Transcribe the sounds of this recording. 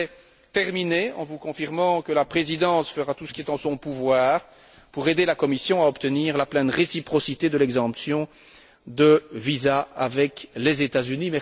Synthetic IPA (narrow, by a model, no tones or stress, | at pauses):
ɛ | t̪ɛʁmineɑ̃vukɔ̃fiʁmɑ̃kəlapχezid̪ɑ̃sfəʁat̪usə̥kʲiɛt̪ɑ̃sɔ̃puvwaːʁ | puʁed̪elakɔmisjɔ̃aɔpt̪əniːʁlaplɛ̃nʁesipχɔsit̪ed̪əlɛɡzɑ̃psjɔ̃ | d̪əvizaavɛklezet̪azynimɛ